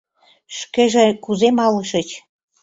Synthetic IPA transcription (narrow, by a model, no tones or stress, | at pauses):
ʃkeʒĕkuzemɑlə̆ʃə̆t͡ɕ